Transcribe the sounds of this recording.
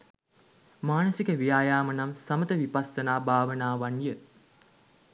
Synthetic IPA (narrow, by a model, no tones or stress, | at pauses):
maːnəsikəʋijaːjaːmənamsamət̪əʋipasːənaːbʱaːʋənaːʋanjə